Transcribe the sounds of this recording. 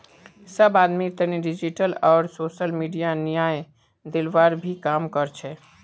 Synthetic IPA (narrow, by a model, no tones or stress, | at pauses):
səbaːd̪mit̪əniɖɪd͡ʒiʈəlɔːɾsoːʃəlmiːɖijanijaːj | d̪ɪlʋaːɾbʱikaːmkəɾt͡ʃʰɛ